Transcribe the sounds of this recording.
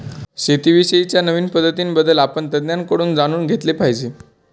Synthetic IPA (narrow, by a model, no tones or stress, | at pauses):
ɕet̪iʋiɕəit͡ɕjanəʋiːnpəd̪ʱːət̪iːnbəd̪ːəlapəɳt̪əd̪njankəɽuːnd͡zaɽ̃uːnɡʱet̪lepajd͡ʑe